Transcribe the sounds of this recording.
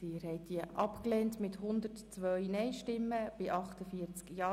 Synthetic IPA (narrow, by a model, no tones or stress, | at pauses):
ɪːɾɦɛɪt̚diəʔɑpklɛːntmɪthʊnd̪ətt͡sʋœɥnɛjʃtɪmːəb̥ɪʔɑχtəfiəɾt͡skjɑː